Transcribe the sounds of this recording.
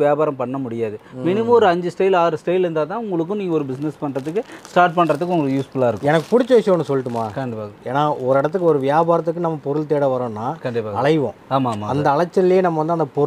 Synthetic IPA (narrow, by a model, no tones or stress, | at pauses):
ʋɪjaːbaːɾɐmpɐɳːɐmʊɽɪjaːðɯmɪnɪmɐɔɾɯɐɲd͡ʒɯsʈɐjɪlaːɾɯsʈɐjɪlɪɾnd̪aːt̪ãːʊŋɡɐɭɯk̬ːʊ̃nĩːŋɡɐɔɾɯbɪsnɛspɐɳɾɐðɯk̬ːɯsʈaːɾʈ̚pɐɳːɾɐðɯkːɯʊŋɡɐɭjuːsfʊlaːɪɾɯkːɛnɐkːɯ̥pʊɽɪt͡ʃːɐʋɛt͡ʃːʋõːnːɯsɔlːɪʈːɯmaːkɐɳɖɪpaeːnaːɔɾɯɪɽɐt̪ːɯkːɯɔɾɯʋɪjaːbaːɾɐt̪̬ːɯkːɯnɐmːɐpɔɾɯɭt̪eːɽɐʋɐɾõːnːaːkɐɳɖɪpaːɐɭɐɪʋõ̰ːaːmaːmaɐnd̪ɐːɭɐt͡ʃːɐlljeːnɐmːɐʋɐnd̪ɯɐnd̪ɐpɔ